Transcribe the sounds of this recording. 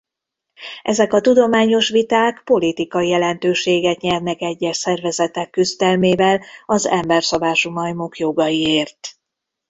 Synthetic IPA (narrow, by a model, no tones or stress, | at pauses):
ʔɛzɛkɒt̪ud̪o̞maːɲo̞ʃʋit̪aːkpo̞lit̪ikɒijɛlɛnt̪øːʃeːɡɛt̪ɲɛrnɛkɛɟːɛʃsɛrvɛzɛt̪ɛkːyzd̪ɛlmeːvɛlɒzɛmbɛrsobaːʃumɒjmokjo̞ɡɒjieːrt̪